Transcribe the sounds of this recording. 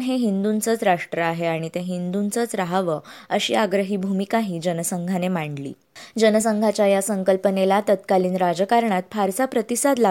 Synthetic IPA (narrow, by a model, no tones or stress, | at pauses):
nɦeɦind̪unt͡sət͡sɾaʂʈɾəaɦeaɽ̃it̪eɦind̪unt͡sət͡sɾaɦaʋəəɕḭːaɡɾəɦiːbʱumikaɦiːd͡ʑənəsəŋɡʱanemaɳɖlḭː | d͡ʑənəsəŋɡʱat͡ɕjajasəŋkəlpənelat̪ət̪kaliːnɾad͡zəkaɾɳat̪fʰaɾsapɾət̪isad̪la